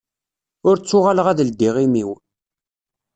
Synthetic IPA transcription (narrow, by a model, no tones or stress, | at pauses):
ʊɾt͡sːʊʁaləʁæðəld̪iʁimiw